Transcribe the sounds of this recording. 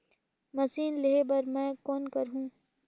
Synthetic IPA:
mɐsiːnleɦebɐɾmɛ̃ːkɔːnkɐɾɦũː

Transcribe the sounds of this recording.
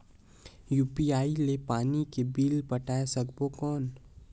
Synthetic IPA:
juːpiaːilepaːnikebiːlpəʈaːesɐkbokɔːn

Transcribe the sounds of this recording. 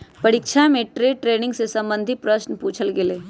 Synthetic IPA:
pɐɾikʃʰamẽʈɾeːʈɾeːnɪ̃ŋɡsesɐ̃mbə̃nd̪ʱipɾɐʃnpuːt͡ʃʰəlɡeleː

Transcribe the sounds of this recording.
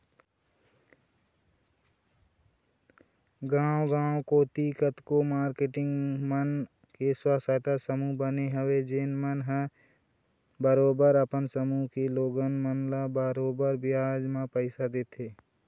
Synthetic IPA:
ɡãːwɡãːwokot̪iːkət̪komaːɾkeʈɪ̃ŋɡmən | keswaːsat̪asəmuɦbəneɦəwed͡ʒeːnmənɦɛ | bəɾoːbəɾəpənsəmuɦkeloːɡənmənlabəɾoːbəɾbjaːd͡ʒmãpəɪsad̪eːt̪ʰeː

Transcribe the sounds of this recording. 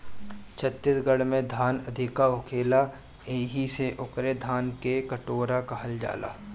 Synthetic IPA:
t͡ʃʰət̪ːɪt̪ɡəɽmẽd̪ʱaːnɐd̪ʱɪkaʊkʰeːla | eːɦiseʔʊkɾed̪ʱaːnkekəʈoːɾakɐɦəld͡ʒa̰ːla̰ː

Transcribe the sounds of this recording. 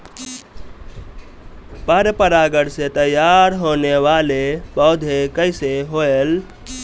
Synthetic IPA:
paɾjəpəɾaɡəɽset̪əjaɾɦoneʋalebəːd̪ʱekəɪseɦoel

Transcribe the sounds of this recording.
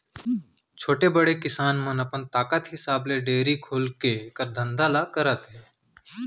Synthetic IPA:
t͡ʃʰoːʈebəɽekɪsaːnmənəpənt̪aːkət̪ɦɪsaːbleɖeːɾikʰoːlkekəɾd̪ʱə̃nd̪alakəɾət̪ɦɛː

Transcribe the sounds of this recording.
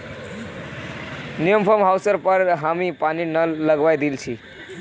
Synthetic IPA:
nijəmpʰəmɦawsəɾpəɾɦamipaninələɡʋajd̪ilt͡ʃʰi

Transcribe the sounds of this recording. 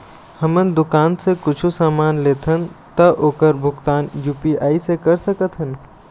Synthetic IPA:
hɐmənd̪ʊkaːnsekʊt͡ʃʰusaːmaːnleːt̪ʰənt̪ɐʔoːkəɾbʱʊkt̪aːnjuːpiaːisekɐɾsəkət̪ʰɦən

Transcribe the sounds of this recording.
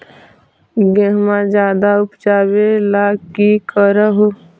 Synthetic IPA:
ɡəɦmãd͡ʒjaːd̪aʊpd͡ʒaːwelaːkikəɾəɦo

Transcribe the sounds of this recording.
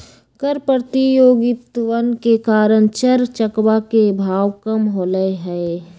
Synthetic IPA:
kəɾpəɾt̪ijoːɡɪt̪ʋənkekaːɾəɽ̃t͡ʃəɾt͡ʃəkwakebʱaːʋkəmɦoːləeɦɛe

